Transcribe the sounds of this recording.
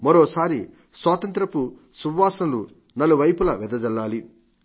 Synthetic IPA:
mɐɾoːsaːɾi | swaːt̪ɐnt̪ɾɐpu | suʋːaːsɐmlu | nɐluʋɐjpulɐʋɛd̪ɐd͡ʒɐlːaːli

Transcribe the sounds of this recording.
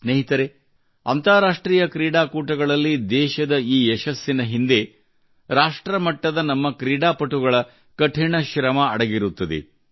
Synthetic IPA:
sneɦit̪ɐɾe | ɐ̰nt̪aːɾaːʂʈɾiːjɐkɾiːɽaːkuːʈɐɡɐɭɐlːid̪ɛːʃɐd̪ɐiːɛʃɐsːinɐɦind̪e̞ | ɾaːʂʈɾɐmɐʈːɐd̪ɐnɐmːɐkɾiːɽaːpɐʈuɡɐɭɐ | kɐʈʰiɳɐʃɾɐmɐɐɽɐɡiɾut̪ːɐd̪ḛ

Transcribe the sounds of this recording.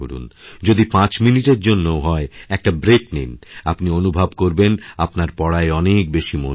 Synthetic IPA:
o̰ɽṵnd͡ʑod̪ipãt͡ɕminiʈeɾd͡ʑonːooɦɔeɛk̚ʈabɾek̚nenapnionubʱabkoɾbenapnaɾpɔɽaeɔnek̚beʃimo̰

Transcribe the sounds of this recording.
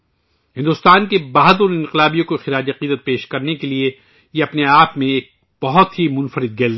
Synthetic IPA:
ɦɪ̃nd̪ʊst̪aːnkebaːɦd̪ʊnɪ̃nqɪlaːbijõkoxɪɾaːd͡ʒɐqiːd̪ət̪̚peːʃkɐɾnekelie | jeɐpneaːpmẽeːk̚ | b̥ɐɦʊt̪ɦimʊ̃nfəɾɪd̪̚ɡeːl

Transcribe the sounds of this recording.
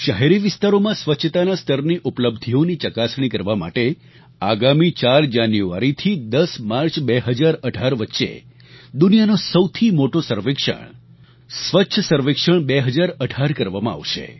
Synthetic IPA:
ʃəɦeɾiʋɪst̪aɾomãsʋətːʃʰət̪anast̪ʰəɾniʔupləbd̪ʱionit͡ʃəkasɳ̃ikəɾʋama̰ʈe | aɡamit͡ʃaɾd͡ʒanjua̰ɾit̪ʰid̪əsmaɾt͡ʃbeɦəd͡ʒaɾəɖʱaɾʋətːʃḛ | d̪unijanosəwt̪ʰimoʈosəɾʋɪkʃə̰ɳ̃ | sʋətːʃʰəsəɾʋɪkʃəɳ̃beɦəd͡ʒaɾəɖʱaɾkəɾʋamãa̰ʋʃḛ

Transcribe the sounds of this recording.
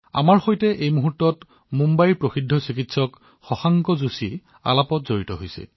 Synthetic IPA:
a̰maɹxojtɛʔejmuɦutːɔt | mumbajɹpɹoxidʱːɔsikitsɔk | xɔxaŋkɔzusi | a̰lapɔtzoɹitɔɦojsɛ̰

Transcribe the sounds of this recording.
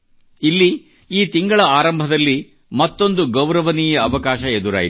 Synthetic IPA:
ilːi | iːt̪iŋɡɐɭɐaːɾɐmbʱɐd̪ɐlːi | mɐt̪ːo̞nd̪uɡɐwɾɐʋɐniːjɐːʋɐkaːʃɐed̪uɾa̰ːji

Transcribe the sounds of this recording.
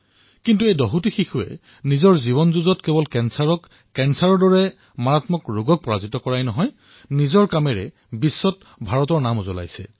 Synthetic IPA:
kintuejdɔɦutixixuɛ̰ | nizɔɹziβɔnzuzɔtkɛbɔlkɛnsaɹɔk | kɛnsaɹɔɹdɔɹɛ | maɹatmɔkɹuɡɔk̚pɔɹazitɔkɔɹajnɔɦɔj | nizɔɹkamɛɹɛ̰ | bisːɔt̚ | bʱaɹɔtɔɹnamozɔ̰la̰jsɛ̰

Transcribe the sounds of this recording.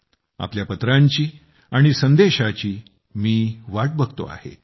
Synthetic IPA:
a̰pljapət̪ɾãɲt͡ɕiː | aɽ̃isənd̪eɕat͡ɕiː | miːʋaʈ̚bəɡt̪o̰a̰hḛ

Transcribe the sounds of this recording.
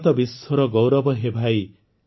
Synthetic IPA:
t̪ʌbisʌɾʌɡɔwɾʌbʌɦebʱaj

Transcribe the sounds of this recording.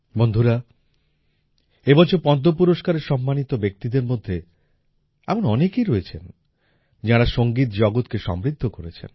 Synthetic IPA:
bond̪ʱuɾa | ebɔt͡ɕʰoɾpɔd̪ʱːopuɾoʃkaɾeɾʃɔmːanit̪obek̚t̪id̪eɾmod̪ʱːe | amonɔnekijɾoet͡ɕʰen | d͡ʑaɾaʃoŋɡit̪d͡ʑɔɡot̪keʃɔ̰mɾid̪ʱːokoɾet͡ɕʰḛn

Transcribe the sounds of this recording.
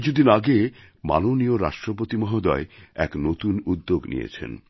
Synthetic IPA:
d͡ʑod̪inaɡe | ma̰nonioɾa̰ʃʈɾopot̪imɔɦod̪ɔeɛ̰knot̪unud̪ːoɡnḭjḛt͡ɕʰḛn

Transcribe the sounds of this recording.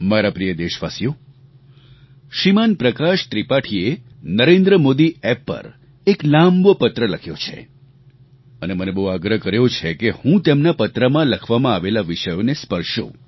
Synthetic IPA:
maɾapɾijəd̪eʃʋasjo | ʃimanpɾəkaʃt̪ɾipaʈʰie | nəɾẽnd̪ɾəmod̪iɛpːə̰ɾ | eklambopət̪ɾələkʰjo̰t͡ʃʰḛ | ənemənebəɦuaɡɾəɦəkəɾjot͡ʃʰekehũt̪emnapət̪ɾəmãləkʰʋamãaʋelaʋiʃəjonespəɾʃṵ̃

